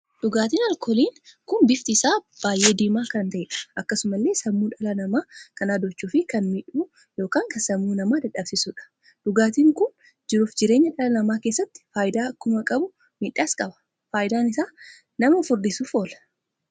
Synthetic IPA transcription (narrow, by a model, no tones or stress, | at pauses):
ᶑ̥ʊɡaːt̪iːnɐlkʰɔliːnkʊnbɪft̪ɪːsaːb̥aːjʔe̞ːd̪iːmaːkɐnt̪ɐɛːᶑɐ̥ʔɐkːɐsʊmɐlːe̞ːsɐmːuːᶑɐlɐnɐmaːkɐnaːd̪ɔt͡ʃːuːfɪkɐnmɪᶑuː | jo̞ːkaːŋkɐsɐmːuːnɐmaːd̪ɛᶑɐbsɪsuᶑɐ̥ | ᶑ̥ʊɡaːt̪iːŋkʊn | d͡ʒɪɾuːfd͡ʒɪɾe̞ːɲːɐᶑɐlɐnɐmaːke̞ːsːɐt̪ːɪ̥faːjɪd̪aːɐkːʊmɐkʼɐbʊ | miᶑːaːskʼɐbɐ̥ | faːjɪd̪aːnɪsaː | nɐmɐfʊɾd̪ɪsuːfo̞ːlɐ̥